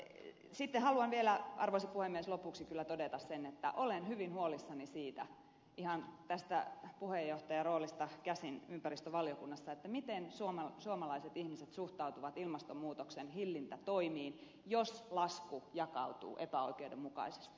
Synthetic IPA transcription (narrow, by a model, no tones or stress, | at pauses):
sit̪ːehɑluɑnʋielæɑ̰rʋoisɑpuhemːieslopuksikylːæt̪odet̪ɑssenːet̪ːæ̰ʔolenhyʋinhuolisːɑnisiːt̪æ̰ | ihɑnt̪æst̪æ̰puhejːoht̪ɑjɑroːlist̪ɑkæsinympærist̪øʋɑljokunːɑsːɑet̪ːæmit̪ensuomɑsuomɑlɑiset̪ihmiset̪suht̪ɑut̪uʋɑt̪ilmɑst̪ommuːt̪oksenhilːint̪æt̪oimiːn | joslɑskujɑkɑ̰ut̪ṵːʔepæoikeudemmukɑ̰ise̥st̪i̥